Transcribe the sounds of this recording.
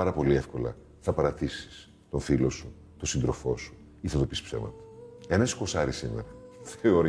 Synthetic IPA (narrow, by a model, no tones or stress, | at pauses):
ɐɾɐpo̞liefko̞lɐ̰ | θɐpɐɾɐt̪isi̥s | t̪o̞nθilo̞su | t̪osind̪ɾo̞fo̞su̥ | iθɐnðopisi̥psḛvmɐ̰t̪ɐ̥enɐsko̞sɐɾisimḛɾɐθeoɾ